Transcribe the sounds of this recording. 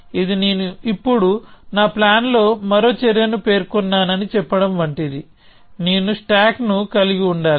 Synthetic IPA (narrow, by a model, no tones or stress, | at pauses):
id̪ine̞ːnuipːuɽunaːplaːnlo̞ːmɐɾo̞ːt͡ʃɛɾjɐnupe̞ːɾkunːaːnɐnit͡ʃɛpːɐɽɐmʋɐɳʈid̪i | neːnusʈaːknukɐliɡiuɳɖaːli